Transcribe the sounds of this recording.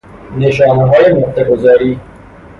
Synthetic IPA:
neʃɑːneɦɒːjemoht̪eɡozɒːɾiː

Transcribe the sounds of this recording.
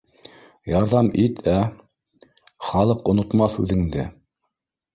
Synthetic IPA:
jɑɾðɑmit̪ʰæ | χɑlˠɤqŏnŏt̪mɑθʉ̰ðɘ̆ŋd̪ɘ̰

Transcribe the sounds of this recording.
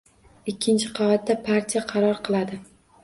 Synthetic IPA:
ɪkʲʰːɪnt͡ʃʰɪqʰɑat̪̚d̪apʰaɾt̪ʰijaqʰɑɾɒɾqɨlˠad̪ɪ

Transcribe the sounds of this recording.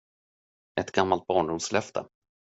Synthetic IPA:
ɛt̪ɡamːalt̪̚bɑːɳɖʊmslɛft̪ʰə̰

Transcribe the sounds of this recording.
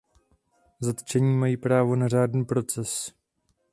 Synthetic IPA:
zat̪t͡ʃɛɲiːmajiːpɾaːvo̞nar̝aːdniːpɾo̞t͡sɛs

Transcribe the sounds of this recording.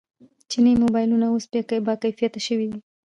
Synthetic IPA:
t͡ʃinijmobɑjlunaospekabɑkajfijat̪aʃəwid̪i

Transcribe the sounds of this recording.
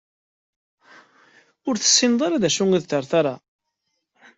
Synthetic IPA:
ʊɾθə̥sːɪnd̪ˤɑɾaðæʃuŋiðt̪əɾˤθaɾˤa

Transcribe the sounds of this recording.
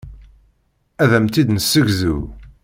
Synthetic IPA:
æðæmt̪id̪nəsːəʝzṵ

